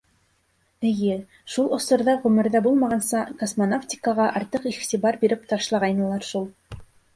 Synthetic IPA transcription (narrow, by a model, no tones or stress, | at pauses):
ɘ̆jɘ | ʃulˠŏsŏɾðɑʁɵ̆mɘ̆ɾðæbulˠmɑʁɑnsɑkosmonaftʲi̥kəʁɑʔɑɾt̪ɤqiχt̪iβɑɾbiɾɘp̚t̪ɑʃlˠɑʁɑjnɤ̆lˠɑɾʃulˠ